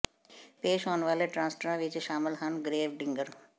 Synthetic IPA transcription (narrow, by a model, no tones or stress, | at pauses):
peːʃoːnʋaːleʈɾãːnsʈəɾãʋɪt͡ʃʃaːmɪlɦənɡɾeːʋɖɪ̃ŋɡəɾ